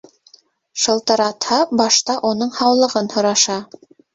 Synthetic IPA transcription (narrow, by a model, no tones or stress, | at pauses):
ʃɤ̆lˠt̪ɤ̆ɾɑt̪hɑbɑʃt̪ɑʔunɤɴhɑwlˠɤ̆ʁɤnhŏɾɑʃɑ